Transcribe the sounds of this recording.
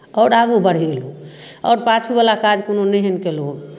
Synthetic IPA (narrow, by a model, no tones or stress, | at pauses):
ɔːɾaɡubəɽ̤iluɔ̰ɾpat͡ʃʰubalakad͡ʒkononəɦenkelu